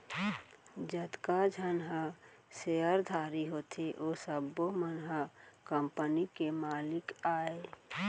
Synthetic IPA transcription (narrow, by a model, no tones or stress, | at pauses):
d͡ʒəd̪kad͡ʒʱənɦə | seəɾd̪ʱaːɾiɦoːt̪ʰeʔoːsəbomənɦəkəmpənikemaːlɪkaːe